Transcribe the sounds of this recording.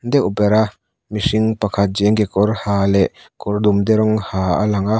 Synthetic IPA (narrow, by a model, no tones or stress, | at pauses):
nd̪ɛʔupɛɾa | misiŋpakʰat̪̚d͡ʒɛŋɡekɔɾhaːlɛʔ | kɔɾd̪umd̪ɛɾɔŋhaːa̰laŋa